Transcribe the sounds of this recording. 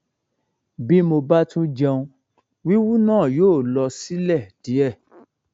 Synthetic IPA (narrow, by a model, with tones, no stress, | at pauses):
bi˦mo˧ba˦tũ˦d͡ʒɛ̃˧ũ˧ | wi˦wu˦nãː˦˨joː˦˨lɔ˧si˦lɛ˦˨d̥i˨˦ɛ˦˨